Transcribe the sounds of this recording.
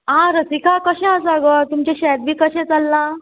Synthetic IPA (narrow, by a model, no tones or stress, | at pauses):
ɦãɾəsikakəɕɛ̃əd͡zaɡət̪umt͡ɕeɕɛd̪̚ʋiːkəɕɛ̃t͡salːã